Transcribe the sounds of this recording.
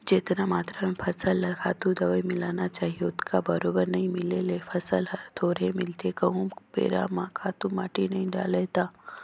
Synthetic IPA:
d͡ʒeːt̪namaːt̪ɾamẽpʰɐsəlːɐkʰaːt̪ũd̪ɐʋəimɪlaːnat͡ʃaːɦioʊt̪kʰabɐɾoːbəɾnɐɦĩmɪlelepʰɐsəlɦɐɾt̪ʰoːɾemɪlt̪ekɐɦũpḛːɾa̰mãːkʰaːt̪umaːʈinɐɦĩɖa̰ːleːt̪aː

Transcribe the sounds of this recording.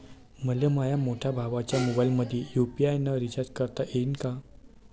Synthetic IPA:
məlemajamoʈʰabʱaʋat͡ɕjamobajlməd̪ʱjejupiajnəɾit͡ɕaɾd͡ʑkəɾt̪aʔenka

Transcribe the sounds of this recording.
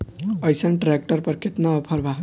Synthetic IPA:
ʌjsʌnʈɾek̚ʈʌɾpʌɾkʰet̪nʌːpʰʌɾbʱaɦ

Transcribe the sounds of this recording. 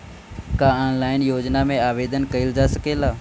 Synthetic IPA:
kaɔːnlaːɪnjoːd͡ʒnamẽaːʋeːd̪ənkɐɪld͡ʒasəkelaː

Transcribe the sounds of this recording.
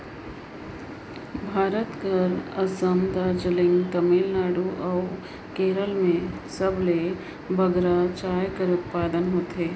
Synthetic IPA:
bʱaːɾət̪kɐɾɐsəmd̪aːɾd͡ʒəlɪ̃ŋɡt̪ɐmilnaːɽuʔɔʊ | keːɾəlmẽsɐble | bʱɐɡɾat͡ʃaːjkəɾʊt̪̚paːd̪ənɦoːt̪eː

